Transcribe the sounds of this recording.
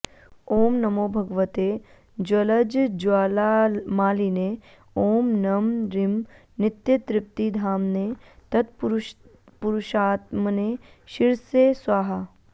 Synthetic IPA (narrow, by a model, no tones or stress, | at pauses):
oːmnɐmoːbʱɐɡʋət̪e | d͡ʒɐlɐd͡ʒd͡ʒaːlamaːline | oːmnɐmɾim | nɪt̪jɐt̪ɾɪp̚t̪id̪ʱaːmnet̪ɐt̪pɾ | puɾuʃaːt̪mneːʃiɾseːsʋaːɦa